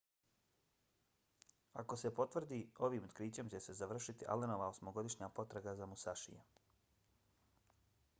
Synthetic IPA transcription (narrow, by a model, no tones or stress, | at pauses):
a̰ko̞sepo̞t̪ʋr̩d̪iːo̞ʋiːmot̪kɾiːt͡ɕe̞mt͡ɕe̞se̞zaʋr̩ʃit̪iʔa̰leno̞ʋaosmo̞ɡo̞d̪iʃɲaːpo̞t̪ɾaɡazamusaʃḭjḛ